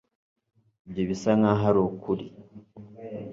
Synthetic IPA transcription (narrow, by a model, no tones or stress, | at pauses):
bɟeβisaŋaɦaɾokuɾi